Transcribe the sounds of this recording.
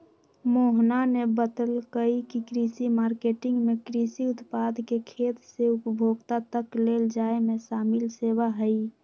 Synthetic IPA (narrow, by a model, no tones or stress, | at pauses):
moɦnanebət̪əlkəikikɾisimaːɾkeːʈɪ̃ŋɡmẽkɾisiʊt̪paːd̪ʱkekʰeːt̪seʊpəbʱoːɡt̪at̪əkleːld͡ʒaːemẽsaːmɪlseːʋaɦəi